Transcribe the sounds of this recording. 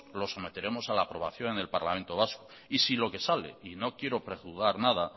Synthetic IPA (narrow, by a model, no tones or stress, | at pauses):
lo̞so̞me̞t̪e̞ɾemo̞salaːpɾo̞β̞aθjo̞ŋene̞lpaɾlament̪o̞β̞asko | isilo̞ke̞sale̞̰ino̞kje̞ɾopɾe̞ɣuɣaɾnað̞a